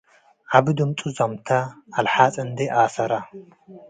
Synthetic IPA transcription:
ʔaβɨd̪ɨmt͡sʼuzɐmt̪ʰɐːlħat͡sʼɨnd̪ɐʔaːsɐɾɐ

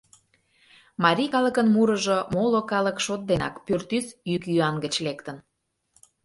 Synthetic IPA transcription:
mɑɾʲikɑləkənmuɾəʒomolokɑləkʃot̪̚d̪enɑ̰kpørt̪ysykjyɑnɡət͡ɕlekt̪ən

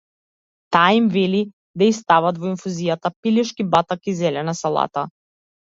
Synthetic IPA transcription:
t̪aːimvɛli | d̪aist̪avat̪vɔinfuzijat̪apiliʃkibat̪akizɛlɛnasalˠa̰t̪a

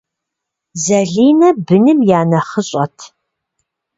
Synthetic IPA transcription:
zɐɮiːnɐbɨnɨmjaːnɐχəɕʼɐtʰ

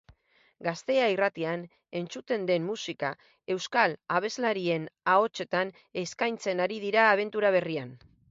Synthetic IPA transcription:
ɡast̪e̞airat̪ian | e̞nt͡sut̪e̞nd̪e̞mːusika | e̞wskalaβ̞e̞zlaɾie̞nao̞t͡ʃe̞t̪an | e̞skajnt͡se̞naɾið̞iɾaːβ̞e̞nt̪uɾaβ̞e̞rian

